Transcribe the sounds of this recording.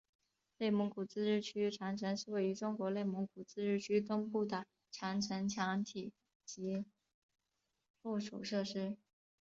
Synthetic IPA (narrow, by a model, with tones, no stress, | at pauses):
le˥˩ɪmʊ˧˥ŋkʰu˨˩t͡sɹ̩˥ɻɻ̩˥˩t͡ɕʰy˥ʈ͡ʂʰa˧˥ŋʈ͡ʂʰə˧˥ŋʂɻ̩˥˧we˥˩ɪy˧˥ʈ͡ʂʊ˥ŋkwɔ˧˥le˥˩ɪmʊ˧˥ŋkʰu˨˩t͡sɹ̩˥ʈ͡ʂɻ̩˥˩t͡ɕʰy˥t̪ʊ˥ŋpu˥˩d̪ə˩ | ʈ͡ʂʰjɑ˧˥ŋʈ͡ʂʰə˧˥ŋt͡ɕʰjɑ˧˥ŋt̪ʰi˨˩˦ | t͡ɕi˧˥ | pu˥˩ʂṵ˨˩ʂɤ˥˩ʂɻ̩˥